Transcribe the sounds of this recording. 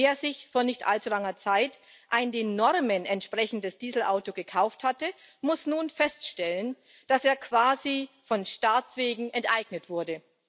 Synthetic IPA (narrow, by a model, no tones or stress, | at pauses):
eːɐzɪçfoːɐnɪçtʔa̰lt͡sulaŋɐt͡saɪtʔaɪndeːnːɔʁmənɛntʃpʁ̥ɛçn̩dəsd̥iːzl̩ʔaʊtoɡəkʰaʊfthatə | mʊsnuːnfɛstʃtɛlən | d̥aseːɐkv̥aːzifɔnʃtaːt͡sv̥eːɡŋ̩ʔɛntʔaɪɡnətv̥ʊɐdə